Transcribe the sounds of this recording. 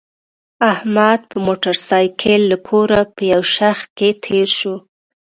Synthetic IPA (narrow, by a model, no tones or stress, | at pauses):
ahmad̪̚pəmoʈaɾsɑjkʰəlːakʰoɾapəjawʃaxt̪̚ket̪ʰeɾʃu